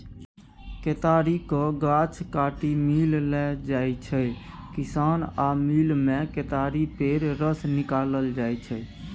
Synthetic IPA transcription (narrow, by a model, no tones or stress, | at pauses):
ket̪aɾikɔɡat͡ʃʰkaʈimillɛd͡ʒajt͡ʃʰɛ | kisanamilmeket̪aɾipeɾɾəsnikaləld͡ʒajt͡ʃʰɛ